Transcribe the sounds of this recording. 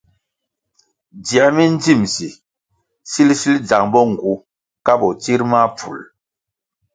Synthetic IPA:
di˨a˨mi˦n˦d͡zi˦˨msi˨ | si˦lsi˦ld͡za˨ŋbɔ˦ŋ̩˨ɡu˨˦ | ka˦bɔ˨ti˦ɾma˦p͡fṵ˨l

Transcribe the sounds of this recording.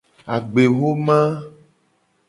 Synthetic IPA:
a˨ɡ͡be˨wo˦mã˦

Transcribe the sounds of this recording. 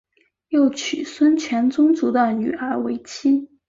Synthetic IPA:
jo˥˩ʊt͡ɕʰy˨˩swə˥nt͡ɕʰɥɛ˧˥nt͡sʊ˥ŋt͡su˧˥d̪ə˧ny˨˩ə˞˧˥we˧˥ɪt͡ɕʰi˥

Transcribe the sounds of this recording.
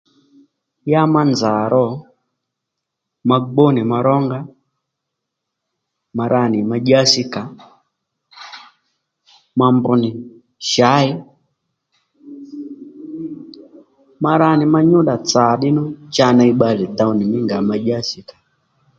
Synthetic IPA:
ja˦ma˦nza˨ɾɔ˦ | ma˨ɡ͡bɔ˦ni˨ma˨ɾɔ˦ŋɡa˦ | ma˨ɾa˦˨ni˨ma˨d͡ʒa˦si˦ka˨ | ma˨mbu˦ni˨ | ʃa˨˦i˦ | ma˦ɾa˦ni˨ma˦ɲu˦ɗa˨t͡sa˨ɗi˦nu˦t͡ʃa˦na˦i˦ɓa˦li˨da˦u˨ni˨mi˦ŋɡa˨ma˨ʄa˦si˨kḁ˨

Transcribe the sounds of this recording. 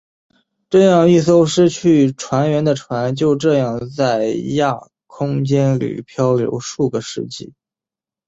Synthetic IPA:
ʈ͡ʂɤ˥˧jɑ˥˧ŋi˥˩s̬o˥˧˩ʊʂɻ̩˥t͡ɕʰy˥˩ʈ͡ʂʰwa˧˥nɥɛ˧˥nd̪ə˨ʈ͡ʂʰwa˧˥nt͡ɕjo˥˧ʊʈ͡ʂɤ˥˧jɑ˥˧ŋt͡sa˥˩ɪja˥˩ | kʰʊ˥ŋt͡ɕjɛ˥nlḭ˨˩pʰjɑ˥ʊljo̰˧˥ʊʂu˥˩ɡə˩ʂɻ̩˥˧t͡ɕḭ˥˩

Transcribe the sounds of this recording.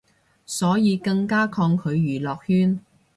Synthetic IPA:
sɔː˨˥jiː˨˧kɐ˧ŋkaː˥kʰɔː˧ŋkʰɵ˨˧ɥjyː˨˩lɔː˨k̚hyː˥n

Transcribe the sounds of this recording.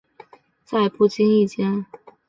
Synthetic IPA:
t͡sa˥˧ɪpu˥˩t͡ɕi˥ŋi˥˩t͡ɕjɛ˥n

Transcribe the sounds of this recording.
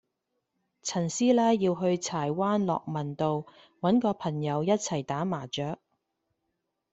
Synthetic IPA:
t͡sʰɐ˨˩nsiː˥laː˥jjiː˧wɦɵ˧ɥt͡sʰaː˨˩jwaː˥nlɔ̰ː˨k̚mɐ˨˩nt̪o˨˧w | wɐ˨˥nkɔː˧pʰɐ˨˩ŋjɐ˨˧wjɐ˥t̚t͡sʰɐ˨˩jt̪aː˨˥maː˨˩t͡ʃœː˨˥k̚

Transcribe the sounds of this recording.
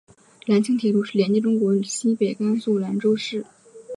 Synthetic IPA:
la˧˥nt͡ɕʰi˥ŋt̪ʰi˧˥˩lu˥˧ʂɻ̩˥˩ljɛ˧˥nt͡ɕi˥˩ʈ͡ʂʊ˥ŋkwɔ˧˥˨ɕi˥pe˨˩ɪka˥nsu˥˩la˧˥nʈ͡ʂo˥ʊʂɻ̩˥˩

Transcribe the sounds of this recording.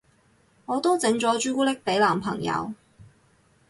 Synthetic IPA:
ŋɔː˨˧t̪o˥wt͡sɪ˨˧˥ŋt͡ʃɔː˨˥t͡ʃyː˥kuː˥lɪ˥k̚t̪e˨˥jlaː˨˩mpʰɐ˨˩ŋjɐ̰˨˧w

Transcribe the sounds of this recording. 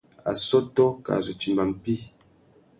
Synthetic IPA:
a̰˨sɔ˦tɔ˦ka̰˨zo˨t͡ʃi˨mba˨m˨pi˦

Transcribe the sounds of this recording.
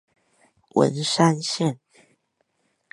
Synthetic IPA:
wə̰˧˦nʂa˦nɕjɛ˥˨n

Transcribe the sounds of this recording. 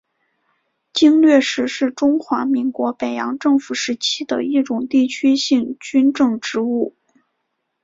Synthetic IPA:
t͡ɕi˥ŋlɥɛ˥˧ʂɻ̩˥˧ʂɻ̩˥˩ʈ͡ʂʊ˥ŋxwa˧˥mi˧˥ŋkwɔ˧˥pe˨˩ɪjɑ̰˧˥ŋʈ͡ʂɤ˥˩ŋfu˨˩ʂɻ̩˧˥t͡ɕʰi˥d̪ə̰˨i˥˩ʈ͡ʂʊ˨˩ŋt̪i˥˩t͡ɕʰy˥ɕi˥˩ŋt͡ɕy˥nʈ͡ʂɤ˥˩ŋʈ͡ʂɻ̩˧˥u˥˩

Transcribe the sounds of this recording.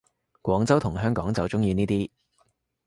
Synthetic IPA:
kʷɔː˨˥ŋt͡sɐ˥wt̪ʰʊ˨˩ŋɦœː˥ŋkɔː˨˥ŋt͡sɐ˨wt͡sʊ˥ŋjiː˨˧niː˥t̪iː˥

